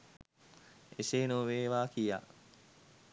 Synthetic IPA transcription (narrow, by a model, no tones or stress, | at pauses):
eseːnuʋeːʋaːkija̰ː